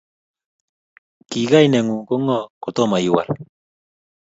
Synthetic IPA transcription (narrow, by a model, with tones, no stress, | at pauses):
ki˨ɡa˦jnɛ˨ŋu˨ko˦ŋɔ˦ko˨t̪o˦ma˨ji˨wa̰˨l